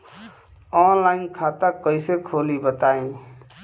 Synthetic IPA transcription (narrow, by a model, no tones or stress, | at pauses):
ɔːnlaːɪnkʰaːt̪akəisekʰoːlibət̪aːẽː